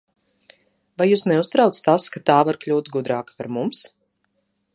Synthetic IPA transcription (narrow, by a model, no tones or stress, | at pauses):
vajuːsnɛust̪ɾaw̪st̪askat̪aːvaɾklʲuːt̪ɡud̪ɾaːkḁpaɾmums